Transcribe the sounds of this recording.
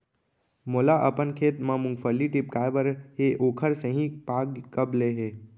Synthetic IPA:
moːlaʔəpənkʰeːt̪mãmʊ̃ŋɡfəlːiʈɪp̚kaːʋəɾɦeʔoːkʰəɾsẽɦĩpaːɡkəbleːɦeː

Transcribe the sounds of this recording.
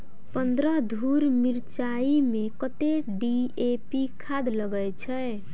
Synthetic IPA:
pənd̪ɾəd̪ʱuɾmiɾt͡ʃaimekət̪eɖiepikʰad̪ləɡəjt͡ʃʰɛ

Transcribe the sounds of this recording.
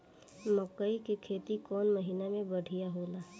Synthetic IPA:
məkəikekʰeːt̪ikɔːnmɐɦiːnamẽbɐɽ̤ʱijaɦoːlaː

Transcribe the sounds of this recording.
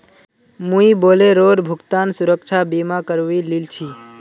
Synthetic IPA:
mũiboleɾoɾbʱʊkt̪ansʊɾəkt͡ʃʰabimakəɾʋililt͡ʃʰi

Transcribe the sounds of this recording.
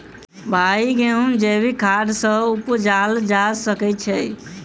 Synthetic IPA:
bʱaiɡeɦund͡ʒebikʰad̪sə̃upd͡ʒald͡ʒasəkɛt͡ʃʰɛ

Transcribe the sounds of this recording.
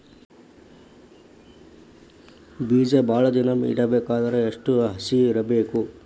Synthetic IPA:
biːd͡ʒɐbʱaːɭɐd̪inɐmḭɽɐbeːkaːd̪ɐɾeːʂʈuɦɐsiːɾɐbeːku

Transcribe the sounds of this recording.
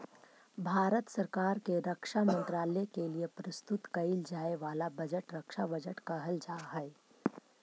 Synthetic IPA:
bʱaːɾət̪sɐɾkaːɾkeɾɐkʃamə̃nt̪ɾaːlekeliepɾɐst̪ʊt̪kɐɪld͡ʒaːeʋaːlabɐd͡ʒəʈɾɐkʃabɐd͡ʒəʈkɐɦəld͡ʒaːɦɛː

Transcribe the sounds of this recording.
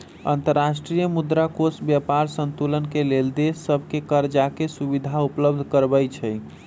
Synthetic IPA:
ə̰nt̪əɾːaʃʈɾijəmud̪ɾakosbjəpaɾsənt̪ulənkeleld̪esːəbʱkekəɾd͡ʒakesubid̪ʱaupləb̚d̪ʱkəɾbəjt͡ʃʰəj

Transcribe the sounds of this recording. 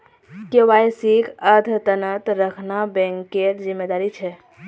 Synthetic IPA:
keʋajsikʰəd̪ʱt̪ənət̪ɾəkʰnabɛ̃ŋkːeɾzimːed̪aɾit͡ʃʰɛ

